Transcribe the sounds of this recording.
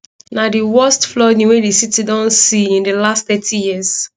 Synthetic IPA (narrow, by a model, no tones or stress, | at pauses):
nadiwɔstflɔdĩwedisitidɔ̃nsiĩndəlastθɛtʰijiz̥